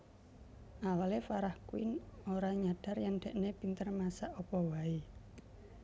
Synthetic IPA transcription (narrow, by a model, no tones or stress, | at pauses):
ʔawalefaɾahkuɪ̰noɾaɲaɖ̥a̤rjaŋɖ̥ɛ̤ʔnepint̪ərmasaʔopɔwai